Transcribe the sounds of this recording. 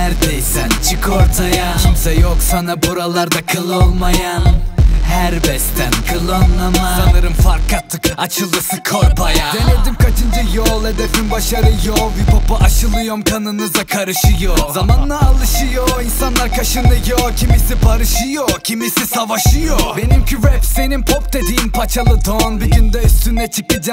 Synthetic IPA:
æɾd̪ɛjsɛnt͡ʃʰɯkʰoɾt̪ʰajacʰimsɛjoksanabuɾalˠaɾd̪akʰɯlˠolˠmaja | hæɾbɛst̪ʰænkʰɯlˠonamasanɯɾɯnfaɾkʰːat̪ʰːɯkat͡ʃʰɯlˠd̪ɯsɯkʰoɾbajad̪ened̪imkʰat͡ʃʰɯnd͡ʒajolˠed̪efinbaʃaɾɯjovjipupʔaʃɯlˠɯjomkʰanɯnɯzakʰaɾɯʃɯjozamanlˠaːlˠɯʃɯjoinsanlˠaɾkʰaʃɯnd̪ɯjocʰimisibʰaɾɯʃɯjocʰimisisavaʃɯjobe̞nimcʰyvɛpsenimpʰopd̪e̞d̪iːimpʰat͡ʃʰalˠɯd̪onbiɟynd̪ɛyst̪ʰynɛt͡ʃʰɯkɯd͡ʒa

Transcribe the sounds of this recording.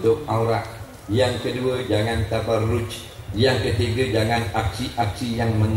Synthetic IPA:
t̪ʊk̚awɾaʔ | jaŋkəduəd͡ʒaŋant̪abarːʊt͡ʃ | jaŋkət̪iɡəd͡ʒaŋanak̚siʔak̚sijaŋməŋ

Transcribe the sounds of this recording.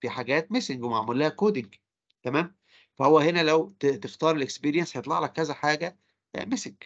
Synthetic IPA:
fiħaɡæːt̪mesɪŋɡwemaʕmulːæhækoːd̪ɪŋɡ | t̪æmæːm | fæhowːæhenælæwt̪t̪eft̪ɑːɾˤelʔekspiːɾjænshɑjet̪ˤlɑʕlækkːæzæħaːɡæ̰ | mesɪŋɡ̥

